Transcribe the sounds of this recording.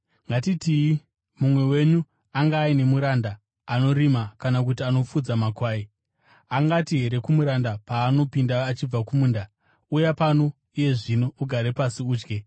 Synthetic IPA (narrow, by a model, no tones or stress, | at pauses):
ŋɡatitii | mumwe̞we̞ɲu | aŋɡaːine̞muɾandaː | no̞ɾimakanak̬utiano̞fud͡zamakwaːi | aŋɡatiɦe̞ɾe̞kumuɾandapaːno̞pindaːt͡ʃib͡vakumuːnda | ujapano̞ | uje̞ʐino̞uɡʱaɾe̞pasiuːd͡ʒɡe